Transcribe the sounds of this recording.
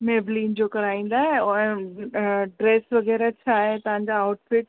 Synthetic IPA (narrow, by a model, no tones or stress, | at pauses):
meːbliːnd͡ʑoːkɐɾaːĩːn̆d̪aːɦẽʊẽ | ɖɾeːsʋɐɣɛːɾat͡ɕʰaːɦet̪ɐʋ̤ãɲ̆d͡ʑaːʊʈfɪʈ